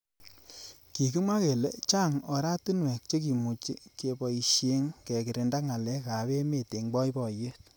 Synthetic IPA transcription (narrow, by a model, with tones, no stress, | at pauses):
ki˨ki˦mwa˦ke˨le˦t͡ʃa˦ŋɔ˨ɾa˦tu˦nwɛ˨k̚t͡ʃe˦ki˨mu˨t͡ʃi˦ke˨pɔ˨i˨ʃje˦ŋkɛ˨kɪ˨ɾe˨nda˦ŋa˨lɛ˦ka˨βe˦me˦˨te˨ŋɡ͡bɔ˦i˦pɔ˨je˦t̚